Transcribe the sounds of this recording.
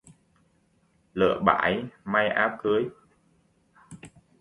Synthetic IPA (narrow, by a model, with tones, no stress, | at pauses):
lɨ̰˧˩˨əɓa̰ː˧˩˦jma˧jʔaː˨˦˥wkə˨˦j